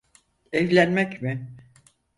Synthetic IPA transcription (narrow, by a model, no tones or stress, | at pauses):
ɛvlʲænmɛcmɪ